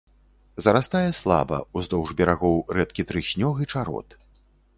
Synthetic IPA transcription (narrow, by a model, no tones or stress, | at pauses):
zɐɾast̪ajɛslˠa̰bɐ̰uzd̪ɔwʐbʲɛɾaɣɔwrɛt̪̚kʲit̪ɾɨɕʲnʲɔɣit͡ʂaɾɔ̰t̪